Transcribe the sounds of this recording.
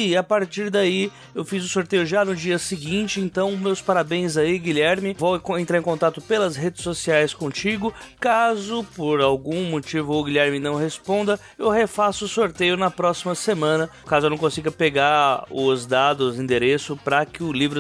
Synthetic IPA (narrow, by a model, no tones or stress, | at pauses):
ɪapaɾt͡ʃiɾd̪ai | ewfizʊsoɾt̪ejʊʒanʊd͡ʒiɐsɪɡĩnt͡ʃɪẽnt̪ɐ̃w̃mewspaɾabẽj̃zaiɡiʎɛɾmɪvowkẽnt̪ɾaẽkõnt̪at̪ʊpelɐzɦed͡ʒɪsosiajskõt͡ʃiɡʊkazʊpoɾawɡũmot͡ʃivʊʊɡiʎɛɾmɪnɐ̃w̃ɦespõnd̪ɐ | ewɦefasʊʊsoɾt̪ejʊnɐpɾɔsimɐsemɐ̃nɐ | kazʊenɐ̃w̃kõsiɡɐpeɡaʊzd̪ad̪ʊzĩd̪eɾesʊpɾɐkɪʊlivɾʊ